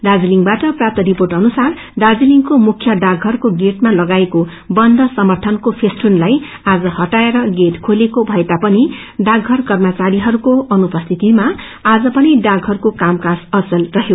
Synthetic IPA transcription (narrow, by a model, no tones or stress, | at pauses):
d̪ad͡ziliŋɡbaʈʌprap̚t̪ʌɾiporʈʌnusar | d̪ad͡ziliŋkomukʰjʌɖaɡʱɦʌrkoɡeʈmalʌɡaeko | bʌnd̪ʱʌsʌmʌrt̪ʰʌnkopʰesʈunlaj | ad͡zʌhʌʈaeɾʌɡeʈkʰolekobʱʌet̪apʌni | ɖaɡɦʌrkʌrmʌt͡saɾiɦʌɾukoʌnupʌst̪ʰit̪imaː | d͡zʌpʌniɖaɡɦʌɾukokamkasʌsʌlrʌɦjo